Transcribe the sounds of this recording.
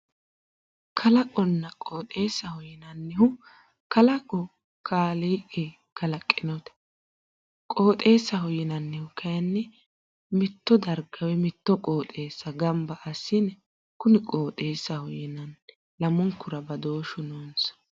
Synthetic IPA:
kʰɐlɐkʼɔnːɐkʼoːt̪ʼeːsːɐhɔjɪnɐnːɪhʊ | kɐlɐkʼɔ | kʰaːleːʔe | kɐlɐkʼːɪnɔt̪ | kʼo̞ːt̪ʼe̞ːsːɐhɔjɪnɐnːɪhʊkʰɐjɐnːɪ | mɪt̪ːɔd̪ɐɾɡɐwɛmɪt̪ːɔkʼoːt̪ʼe̞ːsːɐɡɐmbɐʔɐsːɪnɛ | kʊnɪkʼo̞ːt̪ʼe̞ːsːɐhɔjɪnɐn | lɐmʊŋkːʊɾɐbɐd̪o̞ːʃʊnoːnsɐ̥

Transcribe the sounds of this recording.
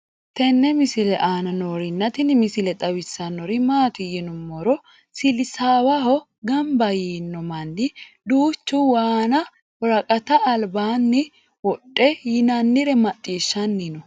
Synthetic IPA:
t̪ɛnːɛmɪsɪlɛʔaːnɐnɔːɾɪnːɐt̪ɪnɪmɪsɪlɛt̪ʼɐwɪsːɐnɔɾɪmaːt̪ɪjɪnʊmːɔɾɔ | sɪlɪsaːwɐɦɔ | ɡɐmbɐjiːnːɔmɐnːɪd̪uːt͡ʃːuwaːnɐ | wɔɾɐkʼɐt̪ɐːlbaːnːɪ | wɔɗʼːɛjɪnɐnːɪɾɛmɐt̪ʼːiːʃːɐnːɪnɔ

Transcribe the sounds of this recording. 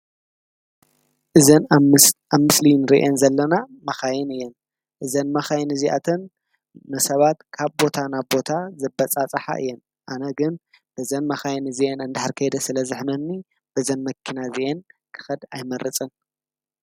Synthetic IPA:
ʔɨzɐnaβmɨslinɨɾiʔenzɐlːɐnamɐxajɪnɨjːɛn | ʔɨzɐnmɐxajnɨziʔa̰t̪ʰɐn | nɨsɐβat̪kʰaβbo̞t̪ʰanaβbo̞t̪ʰazɨbːɐt͡sʼat͡sʼɨħa̰ʔɨ̰jːɛn | ʔanɐɡɨn | bɨzɐnmɐxajnɨziʔenɨnd̪aħaɾkʰɐjd̪ɐsɨlɐzɨħmɐnːi | b̥ɐzɐnmɐkʰːinaziʔenkʰɨ̥xɐd̪ajmɐɾɨt͡sʼɨn

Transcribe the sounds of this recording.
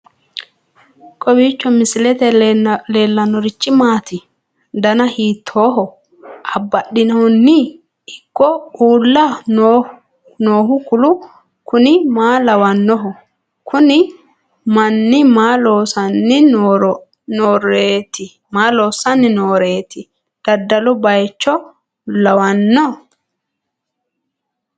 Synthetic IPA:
kʼɔbiːt͡ʃːɔmɪsɪlɛt̪ɛle̞ːlːɐnːɔɾɪt͡ʃːɪmaːt̪ɪ | d̪ɐnɐhiːt̪ʰːo̞ːɦɔ | ʔɐbːɐɗːɪnɐɔnːɪ | ɪkːɔuːlːɐno | noːɦʊkʊlʊ | kʊnɪmaːlɐwɐnːɔɦɔ | kʊnɪ | mɐnːɪmaːloːsɐnːɪnː | noːɾeːt̪ɪ | maːloːsɐnːɪnoːɾeːt̪ɪ | d̪̥ɐd̪ːɐlɔbɐjt͡ʃːɔ | lɐwɐnːɔ

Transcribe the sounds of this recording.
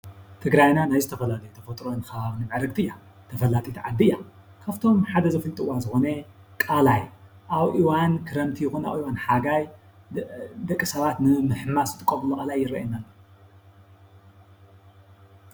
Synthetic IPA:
t̪ʰɨɡɾajnanajzɨt̪ʰɐfɐlalɐjot̪ʰɐfɐt̪ʼɾonɨxɐβaβnɨmʕɾɨɡ̚t̪ʰɨjːa | t̪ʰɐfɐlat̪ʼit̪ʰʕad̪ːɨjːa | kʰaft̪ʰo̞mħad̪ɐzɨfɨlt̪ʼɨwazɨxo̞nɐ | kʼalaj | ʔaβʔiwankʰɨɾɐmt̪ʰijɪxuna̰βʔiwanħaɡaj | d̪ɐkʼːɨsɐβat̪nɨmɨħmasɨt̪ʼɨkʼːoβlɐkʼɐlajːɪɾɐ̰ʔinalːo

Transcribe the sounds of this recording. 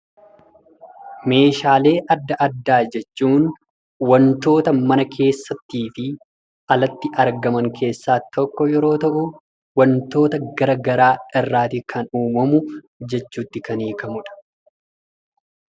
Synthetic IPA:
me̞ːʃaːle̞ːʔɐd̪ːɐʔɐd̪ːaːd͡ʒɛt͡ʃːuːn | wɐnt̪o̞ːt̪ɐmɐnɐkʰe̞ːsːɐt̪ːiːfɪ | ʔɐlɐt̪ːɪʔɐɾɡɐmɐŋkʰe̞ːsːaːt̪ɔkːɔjɛɾo̞ːt̪ɐʔʊ | wɐnt̪o̞ːt̪ɐɡɐɾɐɡɐɾaːɪrːaːt̪ɪkʰɐnuːmɐmʊ | d͡ʒɛt͡ʃːuːt̪ːɪkɐniːkɐmʊᶑɐ̥

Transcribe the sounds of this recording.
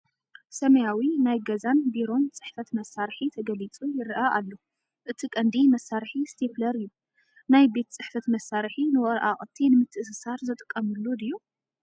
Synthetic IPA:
sɐmɐjawinajɡɐzanbiɾo̞nt͡sʼɨħfɐt̪mɐsaɾħit̪ʰɐɡɐlit͡sʼujɪɾʔaʔalːo | ʔɨt̪ʰikʼɐnd̪imɐsːaɾħist̪ʰeflɐɾɨjːu | najbe̞t̪t͡sʼɨħfɐt̪mɐsːaɾħinɨwɔɾʔa̰χʼɨt̪ʰːinɨmɨt̪ʰːɨʔsɨsaɾzɨt̪ʼɨ̥kʼːɐmɨlːud̪ɨjːu

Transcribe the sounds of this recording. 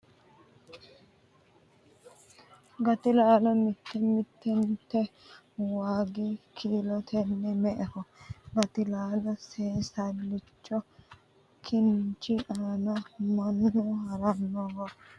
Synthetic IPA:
ɡɐt̪ɪlaːlɔmɪt̪ːɛmɪt̪ːɛnt̪ːɛ | waːɡikʰiːlɔt̪ʰɛnːɪmɛʔɛhɔɡɐt̪ɪlaːlɔseːsɐlːɪt͡ʃːɔ | kʰɪnt͡ʃɪʔaːnɐmɐnːɔhɐɾɐnːɔwɐ

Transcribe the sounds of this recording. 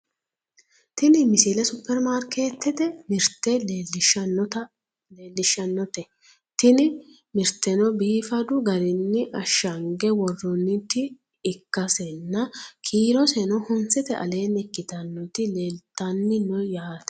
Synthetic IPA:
t̪ɪnɪmɪsɪlɛsʊpːɛɾmaːɾkʰeːt̪ːɛt̪ɛmɪɾt̪ːɛlelɪʃɐɐ | eːlːɪʃːɐnːɔt̪ɛ | t̪ɪnɪ | mɪɾt̪ːɛnɔbiːfɐd̪ʊɡɐɾɪnːɪʔɐʃːɐŋɡɛwɔrːɔnːɪt̪ːɪː | kːɐsɛnːɐkʰiːɾɔsɛnɔhʊnsɛt̪ɛʔɐ̰le̞ːnɛkːɪt̪ɐnːɔt̪ɪleːlt̪ːɐnːɪnɔjaːt̪ɛ̥

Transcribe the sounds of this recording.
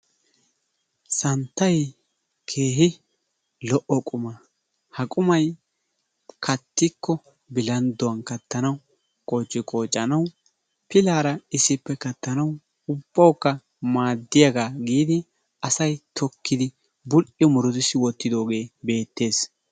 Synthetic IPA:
sɐnt̪ːɐj | kʰe̞ːɦɪ | lɔʔɔkʼʊmɐ | hɐkʼʊmɐj | kʰɐt̪ːɪkːɔ | bɪlɐnd̪ɔwɐnkɐt̪ːɐnɐw | kʼɔt͡ʃʼːɪkʼo̞ːt͡ʃʼːɐnɐw | pɪlaːɾɐɪsːɪpːɛkɐt̪ːɐnɐw | ʊb̥ːɐwkːɐ | maːd̪ːɪjɐɡaːɡiːd̪ɪ | ɐsɐjt̪ʰɔkːɪd̪ɪ | bʊlʔɪɔmʊɾʊd̪ɪsɪwɔt̪ːɪd̪o̞ːɡe̞ːbe̞ːt̪ːe̞ːs

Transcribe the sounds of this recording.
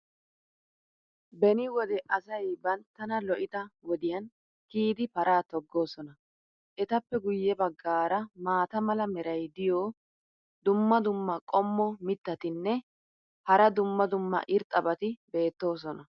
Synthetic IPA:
bɛnɪwɔd̪ɛʔɐsɐjbɐnt̪ːɐnɐlɔʔɪt̪ɐwɔd̪ɪjɐn | kiːd̪ɪpɐɾʔaːt̪ɔɡːo̞ːsɔnɐ | ʔɛt̪ɐpːɛɡʊjːɛbɐɡːaːɾɐmaːt̪ɐmɐlɐmɛɾɐjd̪ɪjoː | d̪ʊmːɐd̪ʊmːɐkʼɔmːɔmɪt̪ːɐt̪ɪnːɛ | hɐɾɐd̪ʊmːɐd̪ʊmːɐ̰ʔɪɾt̪ʼɐbɐt̪ɪbe̞ːt̪ːo̞ːs̬ɔnɐ

